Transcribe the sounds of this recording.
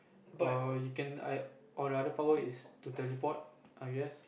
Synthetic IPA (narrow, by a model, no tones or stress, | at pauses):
jukɛ̃na̰ | ʔɔldəadəpawəistutɛlipɔt̚ʔaɡɛs